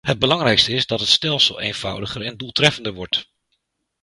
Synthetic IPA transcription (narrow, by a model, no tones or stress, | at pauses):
ɦəd̚bəlɑŋrɛjkstəɪzdɑtɦətstɛlˠsəlˠḛjnv̥ʌ̰wdəχəɹɛnduːlˠtrɛfəndəɹʋɔɹt